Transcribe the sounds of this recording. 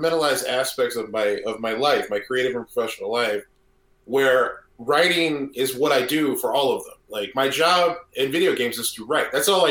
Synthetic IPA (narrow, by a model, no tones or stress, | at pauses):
mɛ̃ɾ̃əlˠaɪzdæspɛk̚tsʌvmaɪʌvmaɪlaɪfmaɪkʰɹ̥ieɪɾɨvə̃npʰɹ̥əfɛʃn̩l̩ˠlaɪf | wə˞ | ɹaɪɾɪ̃ŋɪzwʌɾaɪdɨfə˞ɔlˠʌvðə̰̃mlaɪk̚maɪd͡ʒɑbb̚ɨ̃nvɪɾioʊɡẽɪ̃mzɨz̥tʰəɹaɪt̪̚ðætsɔlˠaɪ